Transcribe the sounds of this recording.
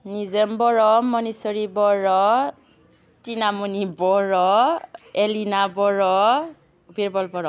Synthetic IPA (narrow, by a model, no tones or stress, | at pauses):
nizɛmbɔɹɔmɔnisɔɹibɔɹɔ | tinamunibɔɹɔ | elinabɔɹɔ | biɹbɔlbɔɹɔ